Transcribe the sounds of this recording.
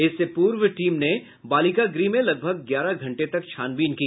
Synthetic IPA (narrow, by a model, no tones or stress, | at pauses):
ɪsːepuːɾʋʈiːmne | baːlikaɡɾimẽlɐɡ̚bʱəɡɡjaːɾaɡʱɐ̃ɳʈet̪ɐkt͡ʃʰaːnbiːnkiː